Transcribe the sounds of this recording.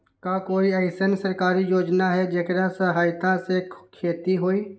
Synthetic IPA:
kaːkoːiɛɪsənsəɾkaːɾijoːd͡ʒnaɦɛd͡ʒekɾasəɦaːjt̪asekʰeːt̪iɦoːiː

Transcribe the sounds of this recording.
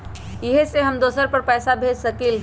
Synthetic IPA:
ɪɦseɦɐmd̪oːsəɾpɐɾpɛːsabʱeːd͡ʒsɐkiːl

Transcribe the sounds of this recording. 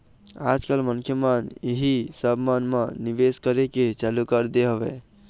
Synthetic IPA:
ad͡ʒkalmənkʰjəməneɦisəbmənmənibeskəɾeket͡ʃalukəɾd̪eɦəbɛ̰

